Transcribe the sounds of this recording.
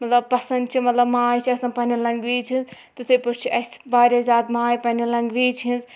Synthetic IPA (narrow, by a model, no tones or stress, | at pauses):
mɐt̪lɐb̚pɐsɐnd̪t͡ʃʰimɐt̪lɐbmaːjt͡ʃʰiɐsãːpɐnʲilɐŋɡʋiːt͡ʃʰinz | t̪ɨt̪ʰepɐɾt͡ʃʰiʔɐsbaːɾʲazaːd̪maːjpɐnʲilɐŋɡʋiːt͡ʃʰiĩnz